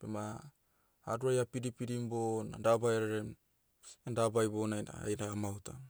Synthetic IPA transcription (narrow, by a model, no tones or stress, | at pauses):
pḛmaː | ɾuajapiɾipiɾimbona̰dabajɾeɾem | endabajbonaa̰jnaɡamawta